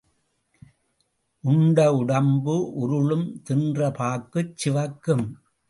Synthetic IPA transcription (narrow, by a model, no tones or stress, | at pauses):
ʔʊɳɖɐʊɽɐmbɯʔʊɾɯɭɯmt̪ɪndrɐpaːkːɯt͡ʃːɪʋɐkːɯm